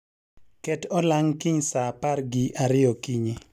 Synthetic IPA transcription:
kɛtɔlaŋkiɲsaparɡiʔaɾɪɔkiɲi

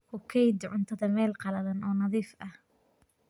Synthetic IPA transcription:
hʊkʰɛjd̪ʕʊnt̪ʰɐðɐmɛːlqɑlɐðɐnɔːnɑðiːfɐh

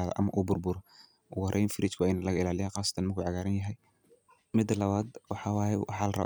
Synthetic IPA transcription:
aːðɔ̰ʔɐ̰mɐ̰ʔuːbʊrbʊɾɔ | wɑrʔɛjnfɪɾɪt͡ʃkʰʊɛjnɐlɐɣɐɪlaːlɪjaːnqɑːsɐ̥t̪ʰɐnmɐrkʰuːʕɑɣaːɾɐnjɐɦɛj | mɪd̪ːɐlɐβaːd̪wɑħɑːwɑːjɛwɑħɑːlɐrɐ̰β̰

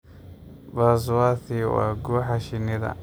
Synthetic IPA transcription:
bas̬waːθiwa̰ːɡuːħaʃɪnɪðɐ̰

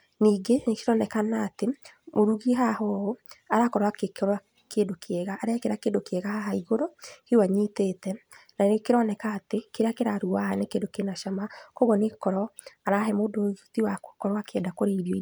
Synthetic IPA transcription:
niːɡenekeɾɔnɛkanatemoɾuɣiɦahɔoaɾakɔɾwakekɾa | keːndokʰeɛɣaʔːɾeakeɾakeːndokeɛɣahaɦaiɣoɾɔhiwaɲitetɛnanekeɾɔnɛkaːtekeɾeakeɾaɾuahanekeːndokenaʃamakoɣɔnekɔɾɔaɾaɦɛmodoutiwakokɔɾwakeɛdakoɾeiɾjɔi

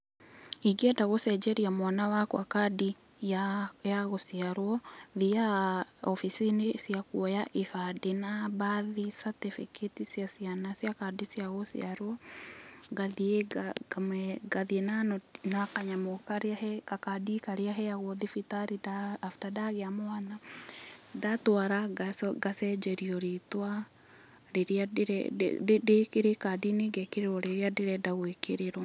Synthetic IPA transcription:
iɡetaɣosɛd͡ʒeɾiamwanawakwakadi | jajaɣosiaɾwɔðiaofisinesiakuojaʔifadinaβaðisatifikʰetisjasijanasjakadisjaɣosḭaɾwo | ɡaðieamɛɡaðienanɔnakaɲamɔkaɾahɛkakadikaɾeaɦɛjaɣɔðifitaɾidaafi̥tadaɣeamoana | datwaɾaɡasɡasɛd͡ʒɛɾiɔɾetwa | ɾeɾiadeɾɛ̰dekeɾekadineɡɛkeɾeɾɔɾeɾeadeɾɛdaɣwekʰeɾeɾɔ

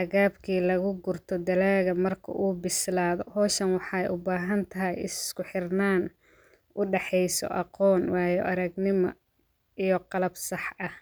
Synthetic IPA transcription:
hɐɣaːbkʰiːlɐɣʊɡʊrt̪ʰɔd̪ɐlaːɣɐmɐrkʰɐ̰ʔuːbɪslaːðɔhɔːʃɐnwɑħɑjʔʊbaːɦɐnt̪ʰɐɦɐjɪskʊħɪrnaːn | ʔʊɖɛħɛjsɔ̰ʔɑqɔːnwɑːjɔ̰ʔɐɾɐɡnɪmɐ̰ | ijɔqɑlɐbsɑħɐh

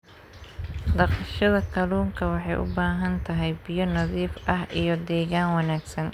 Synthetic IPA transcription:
d̪ɑqʃɐðɐkʰɐluːŋkʰɐwɑħɑjʔʊ̰baːɦɐnt̪ʰɐɦɛjbɪjɔnɐðiːfʔɐɦʔijɞd̪ɛːɣaːnwɑnaːɡsɐn

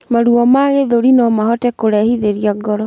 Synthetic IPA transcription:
maɾuɔmaɣeðoɾinɔmahɔtɛkoɾɛhiðeɾiaɡɔɾɔ

